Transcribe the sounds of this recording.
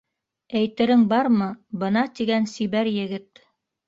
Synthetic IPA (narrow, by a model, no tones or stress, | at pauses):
æjt̪ɘ̆ɾɘŋbɑɾmɤbɤ̆nɑt̪iɡænsiβæɾjɘ̆ɡɘt̪